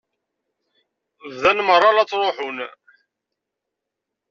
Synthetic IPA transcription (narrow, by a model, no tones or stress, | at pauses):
vðænmərˤːɑlɑt͡sːɾˤoħʊn